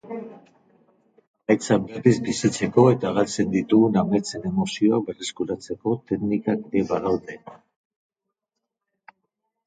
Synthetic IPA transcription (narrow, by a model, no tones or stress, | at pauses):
ajt͡saberizbisit͡se̞ko̞e̞t̪aɣalt͡se̞nd̪it̪uɣuname̞t͡se̞ne̞mo̞sio̞ak̚be̞reskuɾat͡se̞ko̞t̪e̞knikakɾeβaðoɾd̪en